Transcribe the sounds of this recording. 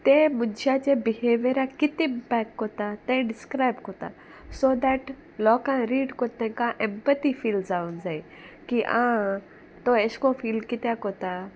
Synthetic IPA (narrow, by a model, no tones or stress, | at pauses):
t̪ẽmʊnd͡ʒat͡ʃẽbiheːʋjəɾakɪt̪ɪmpɛkːot̪at̪ẽɖɪskɾaɪbkot̪a̰ | soːd̪ɛʈ | lɔːkãɾiːɖkot̪ɛ̃kãʔɛ̃mpət̪ifiːlzaũnzai | kiʔã̰ | t̪oeskofiːlkɪt̪akot̪a